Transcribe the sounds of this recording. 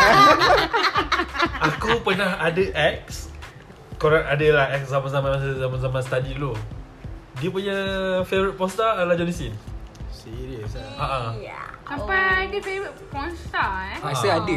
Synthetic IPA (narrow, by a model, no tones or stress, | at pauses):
akupənaɦadəʔɛk̚s | kɔɾɛʔadəlahɛkszamanzamãnmaszamãnzamãnsət̪adilo | diəpuɲafevɾit̪̚pɔ̃nst̪alad͡ʒɔnisinsiɾiəsaʔasampadəpewəpɔnst̪aɛaasəadə